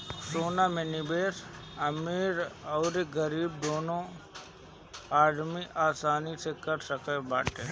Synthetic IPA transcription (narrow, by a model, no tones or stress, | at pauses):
soːnamẽnɪbeːsɐmiːɾɔːɾeɡəɾiːb̚d̪oːnõ | aːɽmiʔaːsaːnisekəɾsəkəbaːʈe